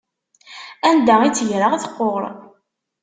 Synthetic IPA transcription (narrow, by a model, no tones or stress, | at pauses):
ænd̪æit͡sːʝɾəʁaθqːoʁɾˤ